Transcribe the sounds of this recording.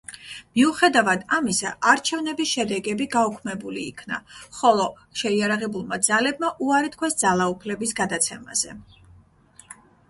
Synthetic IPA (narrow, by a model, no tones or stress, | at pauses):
miuχɛd̪avad̪amisa̰ʔaɾt͡ʃʰɛvnɛbisʃɛd̪ɛɡɛbiɡaukʰmɛbulḭːkʰna̰χɔlˠɔ | ʃɛiaɾaʁɛbulˠmad̪zalɛbmaʔuaɾit̪̚ʰkʰwɛsd̪zalˠaupʰlɛbisɡad̪at̪sʰɛma̰z̥ɛ